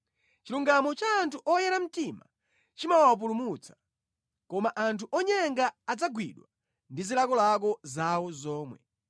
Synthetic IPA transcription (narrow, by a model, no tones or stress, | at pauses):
t͡ʃiluŋɡamɔt͡ʃaːntʰuʔɔjɛɾam̩tima̰ | t͡ʃimawawap̬ulumut͡sʰḁ | kɔmaʔantʰuʔɔɲɛŋɡaːd͡zaɡwiɗwa | ndizilakɔlak̬ɔzawɔzɔːmwɛ̰